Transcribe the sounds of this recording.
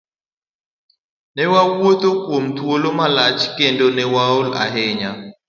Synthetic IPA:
nɛwawwot̪okwomt̪wolomalat͡ʃkendonɛwaola̰ɦɛɲa

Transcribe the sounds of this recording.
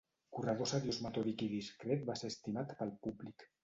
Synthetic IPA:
kurað̞osaðjozmət̪oðikiðiskɾet̪̚baseɾəst̪imat̪pəlˠpublik

